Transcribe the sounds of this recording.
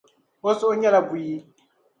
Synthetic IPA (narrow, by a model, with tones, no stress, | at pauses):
ɔ˦sɪ˦ɔ˦ɲɛ˦la˨bʊ˨ji˦